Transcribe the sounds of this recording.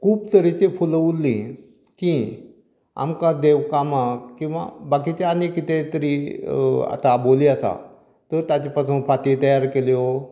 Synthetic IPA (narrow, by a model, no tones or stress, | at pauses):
kʰuːbt̪əɾit͡ɕefuləulːĩ | kĩ | a̰mkãd̪eʋkamakkĩw̃ʋa̰bakit͡ɕeanikit̪ẽt̪əɾi | a̰t̪aboliasa̰ | t̪əɾt̪at͡ɕepasũːnfat̪it̪əjaɾkeljo